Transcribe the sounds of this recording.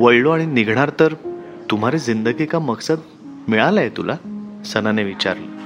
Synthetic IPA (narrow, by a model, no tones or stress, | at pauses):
ʋəjloaɽ̃iniɡʱɳaɾt̪əɾ | t̪um̤aɾed͡zind̪əɡikaməksəd̪̚ | miɭalaet̪ulasənaneʋit͡ɕa̰ɾlə̰